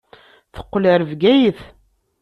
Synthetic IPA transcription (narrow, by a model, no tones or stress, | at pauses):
θə̥qːləɾəvɡæjəθ